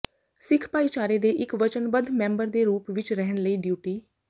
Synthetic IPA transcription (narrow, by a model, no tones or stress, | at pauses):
sɪkʰpaːiːt͡ʃaːɾeːd̪eːʔɪkʋət͡ʃənbəd̪mɛ̃ːmbəɾd̪eːɾuːpʋɪt͡ʃɾɛɦəɳləiːɖjuːʈiː